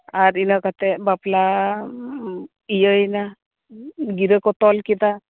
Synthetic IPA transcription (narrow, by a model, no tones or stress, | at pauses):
aɾinakat̪ɛbapla | ijəjna | ɡiɾəkɔt̪ɔlkit̪a